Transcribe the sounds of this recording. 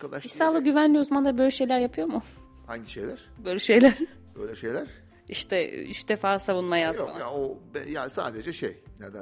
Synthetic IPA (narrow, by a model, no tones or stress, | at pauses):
kʰalˠaʃisaːlˠɯɟyvænlʲijuzamand̪abøjlʲɛʃe̞jlʲæɾjapʰɯjo̞mʊ | haɲɟiʃḛjlʲæɾ̥bøjlʲɛʃe̞jlʲæɾ̥ | bø̰jlʲɛʃejlʲæɾ̥ | iʃt̪ʰɛ̰yʃd̪efaːsavunmajasa̰naobɛjasa̰ːd̪ed͡ʒɛʃḛjned̪æ